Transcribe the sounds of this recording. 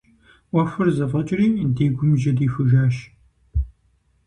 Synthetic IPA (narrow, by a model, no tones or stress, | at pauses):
wɐfɨrzɐvʁɐt͡ʃʼriːdeːɡʷʊmʒɐdiːfɨʒaːʃ